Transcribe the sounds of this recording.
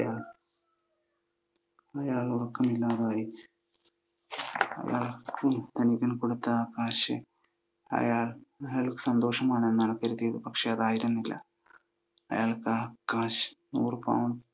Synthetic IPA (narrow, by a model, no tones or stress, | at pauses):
ɐjaːɭ | ɐjaːɭurkːɐmilːaːðaːji | ɐ̰ja̰ːɭkumt̪ɐnikʲːɐnkoɽut̪ːɐaːkːaːɕɨ | ɐ̰jaːɭeːlkːɨ̥sɐnd̪o̞ːʂɐmaːɳe̞nːɐnɐkːɐɾuðijɐðɨpɐkʂeɐðaːjiɾunːilːɐ̰ | ɐ̰jaːɭkaːkːaːɕɐ̥nṵːrpɐ̰wɳ